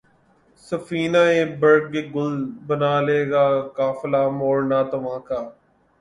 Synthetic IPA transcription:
səfiːnaːẽːbəɾɡeːɡʊlbənaːleːɡaːkaːflaːmoːɾnaːt̪əʋãːkaː

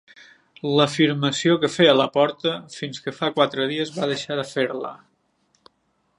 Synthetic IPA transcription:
ləfiɾməsiokəfeələpɔɾt̪əfinskəfakwat̪ɾəð̞iəzβaðəʃaðəfeɾlə̰

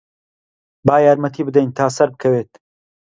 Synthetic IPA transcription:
baːjaːɾmɐt̪ʰiːbɨd̪ɐjnt̪ʰaːsɐɾbɨkʰɐweːt̪̚

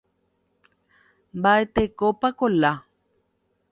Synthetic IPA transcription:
mbaet̪ekopakola

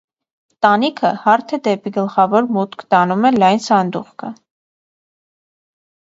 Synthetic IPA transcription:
t̪ɑnikʰəhɑɾt̪ʰɛd̪ɛpiɡəlχɑvɔɾmut̪kʰt̪ɑnumɛlɑjnsɑnd̪uχkʰə

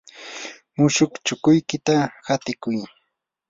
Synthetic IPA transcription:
mʊʃʊkt͡ʃʊkʊjkɪt̪ahat̪ɪkʊj

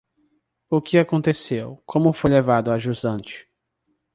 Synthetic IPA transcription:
ʊkɪakõnt̪esewkʰõmʊfojlevad̪ʊaʒuzɐ̃t͡ʃɪ̥

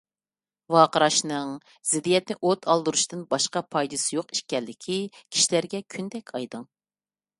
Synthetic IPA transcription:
wɑːqəɾɑʃnɨŋ | z̥ɪd̪ijɛt̪̚nɪʔot̪ʰɑlˠd̪ɨɾuʃt̪ɨnbɑʃqɑpʰɑjd̪ɨsɨjoqi̥ʃkʲɛlːɪkʲʰikʲʰi̥ʃilæɾɡʲɛkʲʰynd̪ɛkʲʰɑjd̪ɨŋ

